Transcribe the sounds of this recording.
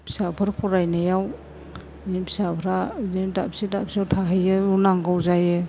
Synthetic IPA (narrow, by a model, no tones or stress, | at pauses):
pʰsabʰɯɾpʰɔɾajnajaw | nipʰi̥sabʰɾanidapsidapsiawtʰaɦɯjɯunaŋɡawzajɯ